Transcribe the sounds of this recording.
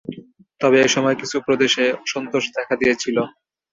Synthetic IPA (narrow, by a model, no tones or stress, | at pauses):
t̪ɔβeejʃɔmɔekit͡ɕʰupɾod̪eʃeɔʃɔnt̪oʃd̪ɛkʰad̪ijet͡ɕʰilo